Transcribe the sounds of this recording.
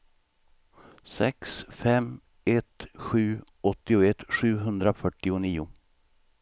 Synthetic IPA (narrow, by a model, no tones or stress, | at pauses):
sɛksfɛm | ɛt̪ɧʉ̟ː | ɔt̪ːɪʊɛt̪ɧʉ̟ːɦɵnd̪ɾafœʈːɪʊniːʊ